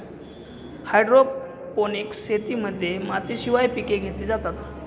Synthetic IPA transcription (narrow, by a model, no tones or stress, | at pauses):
hajɖɾo | ponikset̪iːməd̪ʱːjemat̪iːɕiʋajpikeɡʱet̪iːd͡zat̪at̪